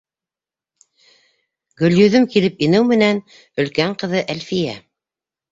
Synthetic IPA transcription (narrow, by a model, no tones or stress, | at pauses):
ɡɵ̆ljɵ̆ðɵmkilɘpinɘwmɘ̆næn | ɵ̆lkæɴqɤ̆ðɤʔælfijæ̰